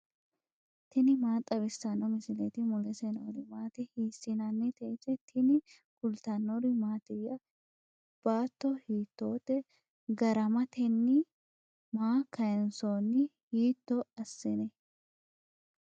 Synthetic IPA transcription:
t̪ʰɪnɪmaːt̪ʼɐβɪsːɐnːɔmɪsɪlet̪ɪmʊlɛsɛnoɾɪmaːt̪ɛhiːsːɪnɐnːɪt̪ɛsɛt̪ʰɪnɪ | kʊlt̪ɐnːɔɾɪmaːt̪ɪjːɐ | b̥aːt̪ːɔhiːt̪ːoːt̪ːɛ | ɡɐɾɐmɐt̪ɛnːɪ | maːkʰɐjɛnsoːnɪ | hiːt̪ːɔɐsːɪnɛ

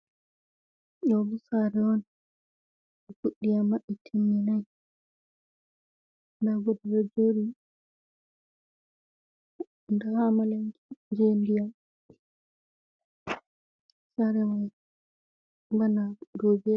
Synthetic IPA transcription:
ɗɔbusaɾɛɔn | ɡuɗːijamːaɓitʰinːinaj | ndaɡɔdɛɾad͡ʒoɾi | ndahamalad͡ʒendija | saɾɛwaj | banadobɛ

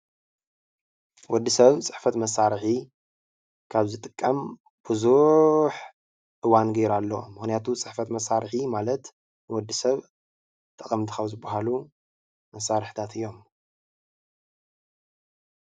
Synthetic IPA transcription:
wɔd̪ːisɐβt͡sʼɨħfɐt̪mɐsaɾħi | kʰaβzɨt̪ʼɨkʼːɐm | b̥ɨzuħ | ʔɨwanɡɐjɾalːɐmɨxnijat̪ʰut͡sʼɨħfɐt̪mɐsaɾħimalɐt̪ | nɨwɔd̪ːisɐβ | t̪ʰʼɐχʼɐmt̪ʰɨxɐwzɨbːaɦalu | mɐsaɾɨħt̪ʰat̪ʰɨjːo̞m

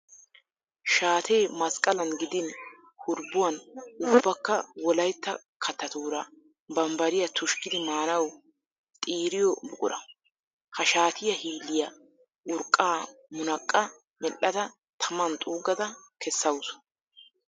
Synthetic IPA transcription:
ʃaːt̪ʰeːmɐskʼɐlɐnɡɪd̪ɪn | hʊɾbːʊwɐnʊbːɐkːɐwɔlɐjt̪ːɐ | kʰɐt̪ːɐt̪uːɾɐ | bɐmbɐɾɪjɐt̪ʰʊʃkɪd̪ɪmaːnɐw | t̪ʼiːɾɪjɔbʊkʼʊ̰ɾʔɐ̰ | hɐʃaːt̪ʰɪjɐhiːlːɪjɐ | ʊɾkʼːaːmʊnɐkʼːɐ | mɛlːɐd̪ɐ | t̪ʰɐmɐnt̪ʼuːɡɐd̪ɐkʰɛsːɐwsʊ̥

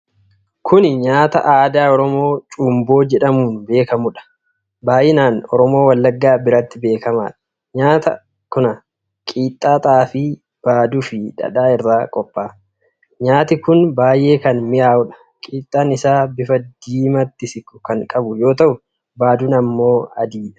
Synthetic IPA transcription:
kʰʊnɪɲaːt̪ɐ̰ʔaːd̪aːɔɾɔmo̞ːt͡ʃʼuːmbo̞ːd͡ʒɛᶑɐmuːnbe̞ːkɐmʊᶑɐ̥ | baːʔɪnaːnɔ̰ɾɔmo̞ːwɐlːɐɡːaːbɪɾɐt̪ːɪbe̞ːkɐma̰ːᶑɐ̥ | ɲaːt̪ɐ̰ | kʊnɐ | kʼiːt̪ʼːaːt̪ʼaːfɪ | b̥aːd̪ufɪᶑɐ̰ᶑaːɪrːaːkʼɔpʼːaː | ɲaːt̪ɪkʊnbaːjʔe̞ːkɐnmɪʔaːʊᶑɐ̥ | kʼiːt̪ʼːaːnɪsaːbɪfɐd̪iːmɐt̪ːɪsɪkʊ̥kɐŋkʼɐbʊjo̞ːt̪ɐʔʊ | baːd̪ʊnɐmːo̞ːɐd̪iːᶑɐ̥

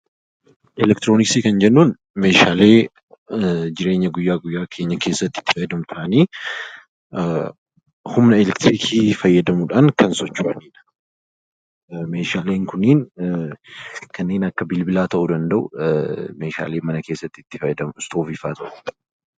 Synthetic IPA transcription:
ʔɛlɛkt̪ɪɾo̞ːnɪksiːkɐnd͡ʒɛnːuːn | me̞ːʃaːle̞ː | d͡ʒɪɾe̞ːɲːɐɡʊjːaːɡʊjːaːkʰe̞ːɲːɐkʰe̞ːsːɐt̪ːɪ̥t̪ːɪ̥fɐjːɐd̪ɐmʊt̪ʰɐʔɐniː | hʊmnɐɛlɛkt̪ɪɾiːkʰiːfɐjːɐd̪ɐmuᶑaŋkɐnsɔt͡ʃːuːʔɐniːᶑɐ̥ | me̞ːʃaːleːŋkʊnːiːn | kʰɐnːe̞ːnɐkːɐbɪlbɪlaːt̪ɐʔʊd̪ɐnd̪ɐʔʊ̰me̞ːʃa̰ːle̞ːmɐnɐkeːsːɐt̪ːɪt̪ːɪ̥fɐjɐd̪ɐmɪst̪o̞ːfifa̰ːt̪ʰɐʔʊ

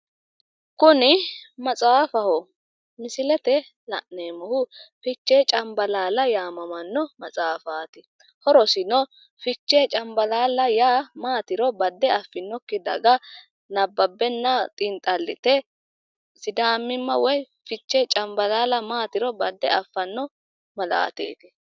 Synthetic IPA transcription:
kʊnɪmɐt͡sʼaːfɐhɔ | mɪsɪlɛt̪ɛ | lɐʔneːmɔhʊfɪt͡ʃːeːt͡ʃʼɐmbɐlaːlɐjaːmɐmɐnːɔmɐt͡sʼaːfaːt̪ɪ | hɔɾɔsɪnɔ | fɪt͡ʃːet͡ʃʼɐmbɐlaːlɐjaːmaːt̪ɪɾɔbɐd̪ːɛɐfːɪnːɔkːɪd̪ɐ̰ɡɐ | nɐbːɐbːɛnːɐt̪ʼɪnt̪ʼɐlːɪ̰t̪ɛ | sɪd̪aːmːɪmːɐ̰wɔj | fɪt͡ʃːet͡ʃʼɐmbɐlaːlɐmaːt̪ɪɾɔbɐd̪ːɛɐfːɐnːɔ | mɐla̰ːt̪ḛːt̪ɪ̥

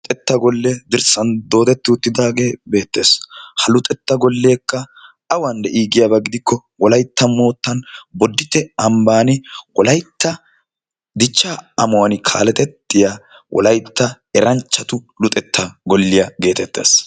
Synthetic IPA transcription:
ʊt̪ʼɛt̪ːɐɡɔlːɛd̪ɪɾsɐnd̪o̞ːt̪ɛt̪ːɪʊt̪ːɪd̪aːɡe̞ːbe̞ːt̪ːe̞ːshɐlʊt̪ʼɛt̪ːɐɡɔlːe̞ːkːɐ | ɐwɐnd̪ɛʔiːɡɪjabɐɡɪd̪ɪkːɔwɔlɐjt̪ːɐmo̞ːt̪ːɐnbɔd̪ːɪt̪ːɛɐmbaːnɪwɔlɐjt̪ːɐ | d̪ɪt͡ʃːaɐmʊwɐnkʰa̰ːlɛt̪ɛt̪ːɪja | wʔɔ̰lɐjt̪ːɐ | ɛɾɐnt͡ʃːɐt̪ʊlʊt̪ʼɛt̪ːɐɡɔlːɪjɐɡe̞ːt̪ɛt̪ːe̞̰ːs

